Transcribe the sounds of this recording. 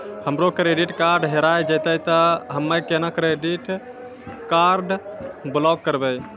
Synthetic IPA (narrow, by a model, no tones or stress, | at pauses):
həmɾokɾeɖiʈkaɾɖɦeɾajd͡ʒət̪əjt̪əɦəmːəkenakɾeɖiʈ | kaɾɖblɔɡ̚kːəɾbɛj